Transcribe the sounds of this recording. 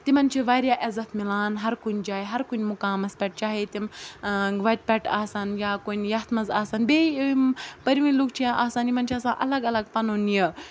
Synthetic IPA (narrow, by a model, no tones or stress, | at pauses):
t̪imɐnt͡ʃʰiʋaːɾjaːʔɐzɐt̪ʰmilaːnɦɐɾkunʲd͡ʒaːjɦɐɾkunʲmʊkaːmɐspʲɛʈ̚t͡ʃaːɦet̪im | ʋɐt̪̚ʲpʲɛʈaːsaːnjaːkunʲjɐɦt̪ʰmɐzaːsaːnbeːmpɐɾʋĩluk̚t͡ʃʰĩʔaːsaːnimɐnʲt͡ʃʰiaːsãːʔɐlɐɡɐlɐɡpɐnoːnjɐ